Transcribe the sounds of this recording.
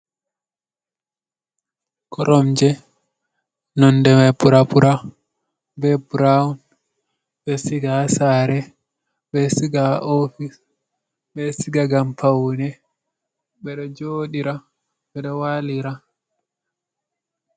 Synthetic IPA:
kʰɔɾɔmd͡ʒɛ | nɔndɛmajpuɾapuɾʔa | bɛbuɾaun | bɛsiɡasaɾɛ | ɓɛsiɡaʔofis | ɓɛsiɡaɡampʰawnɛ | ɓɛɗɔd͡ʒoːɗiɾa | ɓɛɗɔwaliɾa

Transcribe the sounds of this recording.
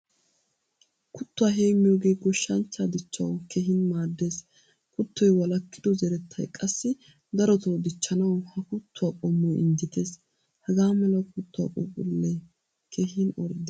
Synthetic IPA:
kʊt̪ːwaːɦeːmɪjoːɡeːɡɔʃːɐnt͡ʃːaːd̪ɪt͡ʃːɐwkɛɦɪnmaːd̪ːe̞ːs | kʊt̪ːɔjwɐlɐkːɪd̪ɔzɛɾɛt̪ʰːɐ̰jkʼɐsːɪ | d̪ɐɾɔt̪ɐwd̪ɪt͡ʃːɐnɐwhɐkʊt̪ːʊaːkʼɔmːɔʔɪ̰nd̪ɪt̪eːs | hɐɡaːmɛlɐkʊt̪ːʊwa̰kʼṵːkʼʊlːɛ | kʰɛhɪnɔɾd̪

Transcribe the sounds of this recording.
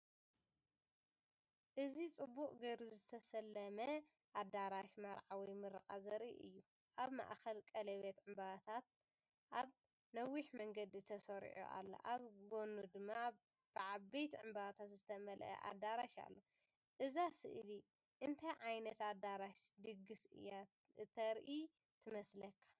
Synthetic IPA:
ʔɨzit͡sʼɨbːukʼɡɐɾzɨt̪ʰɐsɐlːɐmɐ | ʔad̪aɾaʃmɐɾʕawijmɨɾɨkʼazɐɾḭʔɨ̰jːu | ʔaβma̰ʔxɐlkʼɐlɐβet̪ʕɨmbaβat̪ʰat̪̚ | ʔaβ | nɐwiħmɐŋɡɐd̪it̪ʰɐsɐɾ̰ʕo̰ʔa̰lːo̰ʔaβɡonud̪ɨmːa | b̥ɨʕabejt̪ʰʕɨmbaβat̪ʰat̪zɨt̪ʰɐmɐlʔɐ̰ʔa̰d̪aɾaʃa̰lːo̞ | ʔɨzasɨ̰ʔli | ʔɨnt̪ʰɐjʕajnɐt̪ad̪aɾaʃd̪ɨɡɨsɨ̰jːa | ɨt̪ʰɐɾʔi | t̪ʰɨmɐslɐkʰːḁ

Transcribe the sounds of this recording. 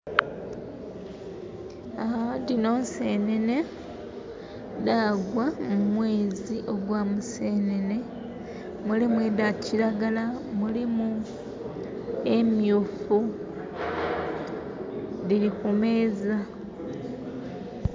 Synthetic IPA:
adino̞ːnse̞ːnene | daɡwamumwe̞ːziʔo̞ɡwamuse̞ːnene̞ | mulimuedaciɾaɡalamulimu | emjufu | dilikume̞ːza

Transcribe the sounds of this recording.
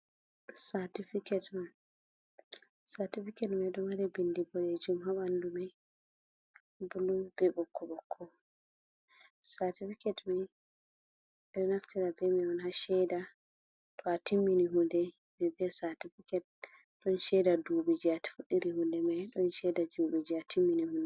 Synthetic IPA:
satifikɛt | satifikɛtmɛɗɔmaɾɛbindibɔled͡ʒumhaɓandumɛ | bulubɛbɔkːɔɓɔkʰːɔ | satifikɛtmɛ | ɓɛɗɔnaftiɾabɛmiɔnɦaʃɛjda | tʰɔatimːiniɦundɛ | mɛbɛsatifikɛt̚ | ɗɔnʃɛdadubid͡ʒiati̥fuɗːiɾihundɛmajɗɔnʃɛdad͡ʒubid͡ʒiatʰimːinihundɛ

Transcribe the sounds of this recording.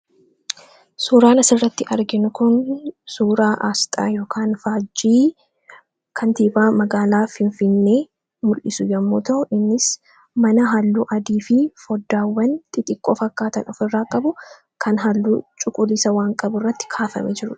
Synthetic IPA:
suːɾaːnɐsɪrːɐt̪ːɪʔɐɾɡɪnʊkʊnsuːɾaːʔaːst̪ʼa̰ːjoːkʰaːnfaːd͡ʒiː | kʰɐnt̪iːbaːmɐɡaːlaːfɪnfɪnːeː | mʊlʔɪsʊjɐmːoːt̪ɐʔʊʔɪnːɪs | mɐnɐɦalːuːʔɐd̪iːfɪfɔd̪ːaːwːɐnt̪ʼɪt̪ʼɪkʼːoːfɐkːaːt̪ɐnʔɔfɪrːaːkʼɐbʊ | kʰɐnɦalːṵːt͡ʃʼʊkʼʊlɪsɐwaːŋkʼɐbʊrːɐt̪ːɪ̥kʰaːfɐ̰mɛd͡ʒɪɾʊ

